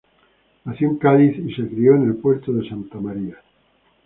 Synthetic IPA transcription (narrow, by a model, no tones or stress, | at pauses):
asjuŋkaðisisekɾioene̞lpweɾt̪oðesant̪amaɾia